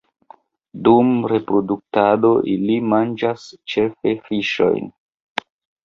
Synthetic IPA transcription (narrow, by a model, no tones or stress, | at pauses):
dumɾe̞pɾo̞duk̚tado̞ʔilimand͡ʒast͡ʃe̞fe̞fiʃo̞̰jn